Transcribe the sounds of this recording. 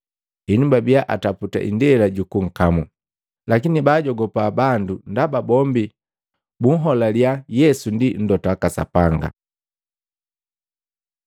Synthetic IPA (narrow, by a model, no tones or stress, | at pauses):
iɲumbabijaʔataputa̰ʔḭndɛlaɟukuŋ̩kamu | lakinibaːɟɔɡɔpaːbandundababɔmbi | buŋ̩ɦɔlaliajɛsundin̩dɔtakasa̰paŋɡa̰